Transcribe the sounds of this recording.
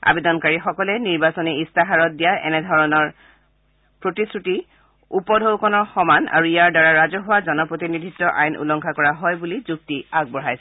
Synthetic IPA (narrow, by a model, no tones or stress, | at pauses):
a̰bedɔnkaɹixɔkɔlɛniɹbasɔniistaɦaɹɔt̚dijaʔɛ̰nɛdʱɔɹɔnɔɹ | pɹotisɹuti | upɔdʱowkɔnɔxɔmana̰ɹuijaɹdaɹaɹazɔɦʊwazɔnɔpɹotinidʱitːɔʔajnʔṵlɔŋkʰakɔɹaɦɔjbulizuk̚tiaɡ̚bɔɹɦajsɛ